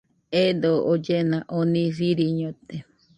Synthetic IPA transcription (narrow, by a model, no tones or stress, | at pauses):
ed̪ood͡ʒenãʔonĩfiɾiɲõt̪e